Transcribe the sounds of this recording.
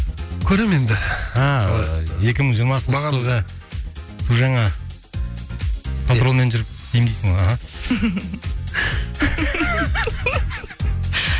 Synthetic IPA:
kʲʰɵɾeme̞nd̪ɪɑ | je̞kʲɪməʒiɾmɑsəud̪ɑ | suʒɑɴɑ | pʰoɾo̞lˠme̞nʒʏɾɪp̚k̪ʲʰejɪŋd̪ʲejsɪŋɑɦɑ

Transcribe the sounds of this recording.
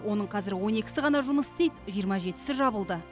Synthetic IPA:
wo̞nəɴqʰɑzɪɾwo̞ne̞kʲɪ̥sɪʁɑnɑʒʊməst̪ejt̪ʒijəɾmɑʒe̞t̪ɪ̥sɪʒɑbəlˠd̪ə

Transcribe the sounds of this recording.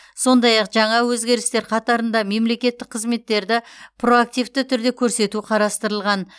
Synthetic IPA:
so̞nd̪ɑjɑqʒɑɴɑwɵzɡʲe̞ɾɪst̪e̞ɾqʰɑt̪ɑɾənd̪ɑme̞mle̞kʲe̞t̪ːɪk̚qʰːəzme̞t̪ːe̞ɾd̪ɪpʰro̞ak̚t̪ijvt̪ɪt̪ʰʏɾd̪e̞kʲʰɵɾse̞t̪uqʰɑɾɑst̪əɾəlˠʁɑn

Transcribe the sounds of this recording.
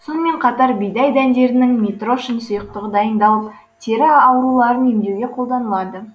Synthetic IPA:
so̞nəme̞ɴqʰɑt̪ɑɾbijd̪ɑjd̪ænd̪e̞ɾɪnɪŋmʲet̪roʃənsʊjəq̚t̪əʁəd̪ɑjənd̪ɑlˠəp̚ | t̪ʰeɾɪɑwɾulˠɑɾənemd̪e̞wɡʲe̞qʰo̞lˠd̪ɑnəlˠɑd̪ə

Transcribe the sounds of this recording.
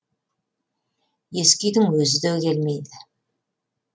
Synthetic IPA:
jeskʲijd̪ɪŋwɵzɪd̪økʲʰelmejd̪ɪ

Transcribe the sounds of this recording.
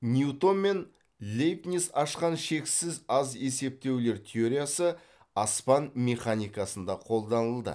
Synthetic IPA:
nʲiut̪o̞nmːe̞n | lʲejpnʲisɑʃqɑnʃe̞ksɪzɑze̞se̞p̚t̪e̞wle̞ɾt̪ʲʰeoɾʲijasə | ɑspɑnme̞χanʲijkɑsənd̪ɑqʰo̞lˠd̪ɑnəlˠd̪ə̰

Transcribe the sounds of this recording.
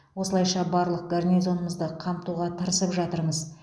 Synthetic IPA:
wo̞səlˠɑjʃɑbɑɾlˠəq̚ɡarnʲijzo̞nəməzd̪əqʰɑmt̪uʁɑt̪ʰəɾəsəpʒɑt̪əɾməz

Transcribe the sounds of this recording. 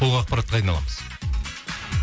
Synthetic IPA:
oɑqpɑɾɑt̪̚qɑːjnɑlˠɑ̰məz̥

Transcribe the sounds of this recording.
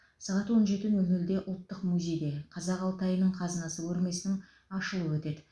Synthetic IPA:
sɑʁɑt̪wo̞nʒe̞t̪ɪnɵlnɵld̪e̞ʔʊlˠt̪ːəqmujzʲe̞jd̪e̞qʰɑzɑqɑlˠt̪ɑjənəɴqʰɑzənɑsəwʰɵɾme̞sɪnɪŋ | ɑʃəlˠəwɵt̪e̞d̪ɪ

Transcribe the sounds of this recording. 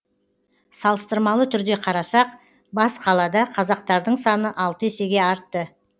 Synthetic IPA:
sɑlˠəst̪əɾmɑlˠət̪ʰʏɾd̪e̞qʰɑɾɑsɑq | bɑsqʰɑlˠɑd̪ɑqʰɑzɑq̚t̪ɑɾd̪əɴsɑnəʔɑlˠt̪əese̞ɡʲe̞ɑɾt̪ːə

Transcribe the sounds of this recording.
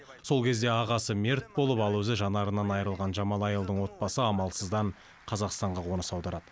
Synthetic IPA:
so̞lˠkʲʰe̞zd̪e̞ɑʁɑsəmʲeɾt̪̚bo̞lˠəpɑlˠwɵzɪʒɑnɑɾənɑnɑjəɾəlˠʁɑnʒɑmɑlˠɑjəlˠd̪əɴwo̞t̪̚bɑsəɑmɑlˠsəzd̪ɑɴ | qʰɑzɑqst̪ɑɴʁɑwo̞nəsɑwd̪ɑɾɑd̪ə

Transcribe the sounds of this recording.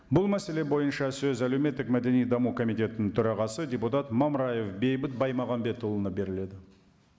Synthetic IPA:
bʊlˠmæse̞le̞bo̞jənʃɑsɵzæle̞wme̞t̪ːɪkmæd̪e̞nijd̪ɑmukʰo̞mijt̪ʲe̞t̪ɪnɪŋt̪ʰʏɾɑʁɑsəd̪ʲe̞put̪ɑt̪mɑmɾɑje̞fbe̞jbɪt̪̚bɑjmɑʁɑmbe̞t̪ʰːulˠənəp̚be̞ɾɪle̞d̪ɪ

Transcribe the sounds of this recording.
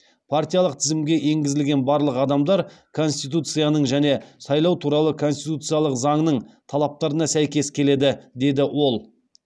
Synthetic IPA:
pʰart̪ʲijalˠəqt̪ʰɪzɪmɡʲe̞ʔe̞ŋɡʲɪzɪlɡʲe̞nbɑɾlˠəqɑd̪ɑmd̪ɑɾkʰo̞nst̪ijt̪ut̪sɨjanəɴʒæne̞sɑjlˠɑwt̪ʰuɾɑlˠəkʰo̞nst̪it̪ut̪sɨjalˠəqzɑɴnəɴt̪ʰɑlˠɑp̚t̪ɑɾənɑsæjkʲe̞skʲʰe̞le̞d̪ɪd̪e̞d̪ɪwo̞lˠ

